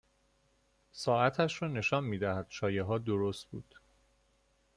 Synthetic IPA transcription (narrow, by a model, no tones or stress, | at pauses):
sɒːæt̪ʰæʃɾɒːne̞ʃɒːnmiːd̪æhæd̪̥ʃɒːjeɦɒːd̪oɾost̪̚bṵːd̪̥